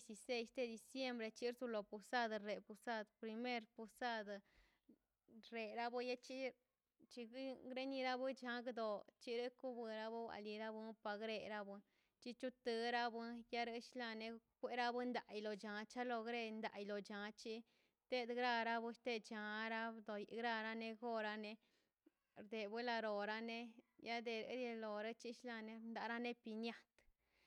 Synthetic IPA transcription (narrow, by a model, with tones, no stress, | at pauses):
si˧se˧jst̪e˧d̪i˨˧sje˦mbɾe˧t͡ʃi˦ɾzu˧lo˨pu˨sa˦d̪ɾe˨pu˧sa˦d̪pɾi˧me˦ɾpu˧sa˦d̪ | ɾe˨ɾa˦bɨ˦ja˦t͡ʃi˦ | t͡ʃi˧ɡɡɾe˦ni˧ɾa˦bɨ˦t͡ʃa˧ɡd̪o˨t͡ʃi˦ɾɨ˦ku˦bɨ˧ɾa˦bu˦wʷa̰˨li˧ɾa˦bɨ˦pa˧ɡɾe˧ɾa˦bɨ˧ | t͡ʃi˦t͡ʃu˦t̪ɨ˧ɾa˦bɨ˦ja˦ɾɨ˧ʃla˧ne˧kʷe˦ɾa˦bɨ˦nd̪a˨jlo˨t͡ʃa˨t͡ʃa˦lo˧ɡɾe˧nd̪a˨jlo˨t͡ʃa˨t͡ʃi˦ | t̪e˦d̪ɡɾa˧ɾa˦bɨ˦ʃt̪e˧t͡ʃa˨ɾa˦d̪o˨jɡɾa˧ɾa˦ne˧ɡo˦˧ɾa˧ne˧ | ɾd̪e˨bɨ˦la˧ɾo˨ɾa˦ne˦ja˦d̪e˨ɾɨ̰˧˦ɾje˧lo˨ɾa˦t͡ʃi˦ʃla˧ne˧nd̪a˧˦ɾa˦ne˦pi˧nja˦t̪